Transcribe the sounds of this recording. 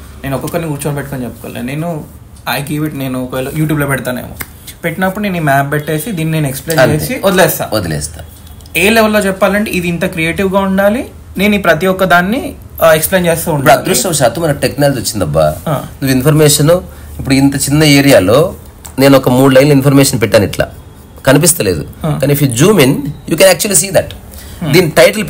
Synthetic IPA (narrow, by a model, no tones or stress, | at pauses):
ne̞ːnɔkːɔkːɐɾnikuːɾt͡ʃonɐpeʈːukont͡ʃepːɐ̥ko̰ːlḛːne̞ːnu | ɐjɡeʋiʈne̞ːnuklojuːʈ̬juːblopɛɽʈt̪aːnḛːmṵ | peʈːinɐpːuɽuneːnimaːp̚beʈːe̞ːsid̪iːnːine̞ːnekspleːɐnt͡ʃeːisiod̪ɐlɛːst̪a̰ːod̪ɐlɛ̰ːst̪aː | eːleʋɐlːo̞ːt͡ʃɛpːaːlɐɳʈiʔid̪iint̪ɐkɾieːʈiwɡaːuɳɖaːli | ne̞ːnuiːpɾɐt̪̬ijɔkːɐd̪aːnːi | ekspleːnt͡ʃeːst̪uːuɳiɖpːuɽɐd̪ɾuʈɐmʃaːt̪umɐnɐʈeknaːlɐd͡ʒiot͡ʃːind̪ɐbːa̰nuʋinpʰɐɾmɛːʂɐnoipːuɽuint̪ɐt͡ʃinːɐeːɾijaːlo̞ː | ne̞ːnɔkɐmuːɖlɐjnlɐinpʰɐɾmɛːʂɐnpɛʈːaːniʈla̰ː | kɐnip̬ist̪ɐlḛːd̪ṵkaːnifjud͡ʒuːminjuːkɛnaːk̚t͡ʃuɐliːsiːd̪ɐʈd̪iːnːiʈɐjʈɐl